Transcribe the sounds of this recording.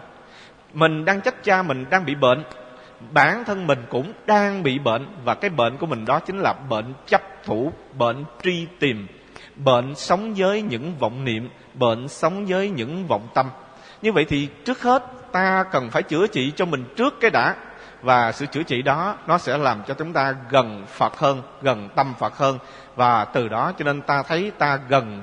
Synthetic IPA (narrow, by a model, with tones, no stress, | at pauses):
mï˨˩ŋ̟ɗaː˧ŋt͡ɕa˦˥jk̟̚t͡ɕaː˧mï˨˩ŋ̟ɗaː˧ŋɓḭ˧˨ɓḛ˧˨n | ɓaː˧˩nt̪ʰə˧nmï˨˩ŋ̟kʊ̰˧˥ŋ͡mɗaː˧ŋɓḭ˧˨ɓḛ˧˨nvaː˨˩kaː˨˦jɓḛ˧˨nku˧˩əmï˨˩ŋ̟ɗɔ˨˦t͡ɕï˨˦ŋ̟laː˨˩ɓḛ˧˨nt͡ɕa˦˥p̚t̪ʰu˧˩ɓḛ˧˨nt͡ɕi˧t̪i˨˩əm | ɓḛ˧˨nsə˨˦wŋ͡mzəː˨˦jɲɨ̰˧˥ŋvɔ̰˧˨wŋ͡mnḭ˧˨əm | ɓḛː˧˨nsə˨˦wŋ͡mzəː˨˦jɲɨ̰˧˥ŋvə̰˧˨wŋ͡mt̪ə˧m | ɲɨ˧və̰˧˨jt̪ʰi˨˩t͡ɕɨ˦˥ək̚he˦˥t̚ | t̪aː˧kə˨˩nfaː˧˩jt͡ɕɨ̰˧˩ət͡ɕḭ˧˨t͡ɕɔ˧mï˨˩ŋ̟t͡ɕɨ˦˥əkːaː˨˦jɗa̰ː˧˥ | vaː˨˩sɨ̰˧˨t͡ɕɨ̰˧˩ət͡ɕḭ˧˨ɗɔ˨˦nɔ˨˦sɛ̰˧˥laː˨˩mt͡ɕɔ˧t͡ɕʊ˨˦ŋ͡mt̪aː˧ɣə˨˩nfə˨˩t̚həː˧n | ɣə˨˩nt̪ə˧mfə˨˩t̚həː˧n | vaː˨˩t̪ɨ˨˩ɗɔ˨˦t͡ɕɔ˧ne˧nt̪aː˧t̪ʰə˨˦jt̪aː˧ɣə˨˩n